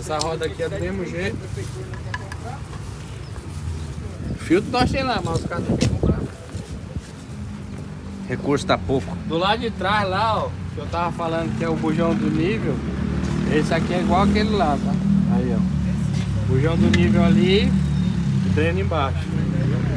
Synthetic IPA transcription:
saɦɔd̪ɐakiɛd̪ʊmezmʊʒejt̪ | fiwt̪ɐnɔ̃ʃt̪ẽj̃lamazʊskaɾzɐk̪ẽkõpɾa | hekuɾsʊ̥t̪apowkʊ̥d̪ʊlad̪ʊd͡ʒɪt̪ɾazlaɔkɪewt̪avɐfalɐ̃nd̪ʊkɪɛʊbuʒɐ̃w̃d̪ʊnivew | esɪakiɛiɡwawakelɪlad̪t̪aaiɔ | buʒɐ̃w̃d̪ʊnivewali | t̪ɾẽnʊẽbaʃʊ̥

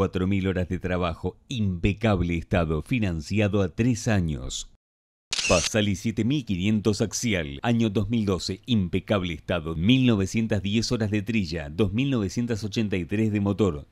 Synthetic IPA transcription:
wat̪ɾomilo̞ɾazðet̪ɾaβaxoimpekaβleːst̪aðofinansjaðoat̪ɾesaɲo̰s | pasalisjet̪emilkinje̞nt̪osaksjalaɲo̞d̪ozmild̪o̞seimpekaβ̞leːst̪aðomilno̞β̞esje̞nt̪azðjeso̞ɾazðet̪ɾiʒaðo̞zmilno̞β̞esje̞nt̪asot͡ʃent̪ajt̪ɾezðemot̪oɾ

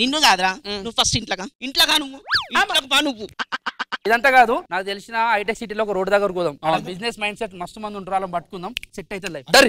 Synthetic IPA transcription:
ninːuɡaːd̪uɾaːnuʋːpʰɐsʈiɳʈlɐːkaiɳʈlaːkaːnuʋːuiːmlakɐpaːnuʋu | id̪ɐnt̪aːkaːd̪unaːkut̪elisinɐɐjʈ̬eksiʈ̬iloːɔkɐɾoːɖd̪ɐːɡɐɾkuːd̪ɐːmɐɐbid͡ʒnesmɐjɳɖseʈːmɐst̪umɐnd̪uɳʈuɾaːlɐmbɐʈːu̥kund̪ɐːmseʈːɐjit̪elɐjɖ̪ɐɾi

